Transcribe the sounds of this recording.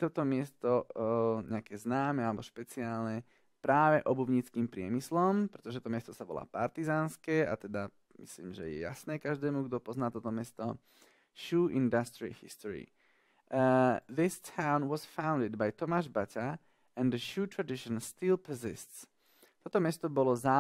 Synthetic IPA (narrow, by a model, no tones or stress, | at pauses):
t̪ɔt̪ɔmɪɛst̪ɔɲɛakɛːznaːmɛalɛbɔʃpɛt͡siaːlɲɛ | pɾaːʋɛʔɔbubɲit͡skiːmpɾɪɛ̰mislɔmpɾɛt̪ɔʒɛtt̪ɔmɪɛst̪ɔsaʋɔ̰la̰ːpaɾt̪izaːnskɛːa̰t̪ɛd̪a | mḭslḭːmʒɛ̰jɛ̰ja̰snɛːkaʒd̪ɛːmuɡd̪ɔpɔznaːt̪ɔt̪ɔmɛst̪ɔ | ʃuːʔind̪ast̪ɾiḭhḭst̪ɔɾḭ | ðist̪ʰaʊnʋɔzfãʊnd̪id̪bajt̪ɔmaːʒbaca | ɛ̃nd̪əʃuːt̪ɾad̪iʃɔnst̪ilpəzḭst̪s | t̪ɔt̪ɔmɛst̪ɔbɔlɔzaː